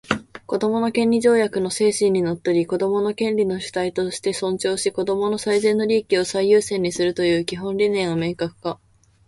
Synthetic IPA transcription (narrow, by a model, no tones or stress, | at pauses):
ko̞d̪o̞mo̞no̞kẽnʲɾʲiʑo̞ːjakɯ̟no̞se̞ːɕĩɲ̟ːino̞t̪ːoɾʲiko̞d̪o̞mo̞no̞kẽ̞nɾʲino̞ɕi̥t̪ait̪o̞ɕi̥t̪e̞sõ̞ɲ̟t͡ɕo̞ːɕiko̞d̪o̞mo̞no̞saizẽ̞nːo̞ɾʲiːkʲio̞saijɯːsẽ̞ɲ̟ːisɨɾɯ̟t̪o̞jɯ̟ːkʲiɦõ̞nɾʲinẽ̞ɰ̃ome̞ːkakɯ̟̥ka